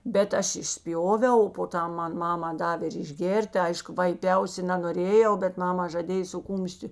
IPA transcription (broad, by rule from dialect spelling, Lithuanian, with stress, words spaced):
ˈbʲɛt ˈɐʃ ɪʃʲˈsʲpʲjoːʋʲɛʊ oː poː ˈtɐm ˈmɐn ˈmɑːmɐ ˈdɑːʋʲeː ɪr ɪʒʲˈɡʲeːrʲtʲ ˈɐɪʃkʊ ʋɐɪˈpʲɛʊsʲɪ nɐnoːˈrʲeːjɛʊ bʲɛt ˈmɑːmɐ ʒɐˈdʲeːj sʊ ˈkuːmʲʃʲtʲɪ